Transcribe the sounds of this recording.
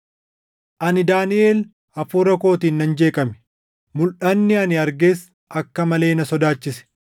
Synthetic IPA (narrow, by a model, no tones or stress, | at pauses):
ʔɐnɪd̪aːnɪʔe̞ːl | ɐfuːɾɐko̞ːt̪iːnːɐnd͡ʒe̞ːkʼɐmɛ̥ | mʊlʔɐnːɪɐnɪɐɾɡeːs | ʔɐkːɐmɐle̞ːnɐsɔd̪aːt͡ʃːɪsɛ̥